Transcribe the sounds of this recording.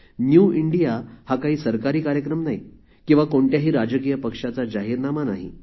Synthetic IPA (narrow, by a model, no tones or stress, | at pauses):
njuːiɳɖijahakaɦiːsəɾkaɾiːkaɾjəkɾəmnaɦj | kĩw̃ʋakoɳʈjaɦiːɾad͡zək̬iːjəpəkʂat͡sad͡ʑaɦiːɾnamanaɦḭ